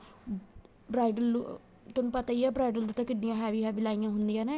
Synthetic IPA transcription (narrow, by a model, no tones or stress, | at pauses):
bɾaːjɖəl | t̪onũːpət̪aːiːɛːbɾaːjɖəlut̪ãːkɪdijãːɦɛːʋiɦɛːʋilaːijãːɦʊnd̪ijãːnɛː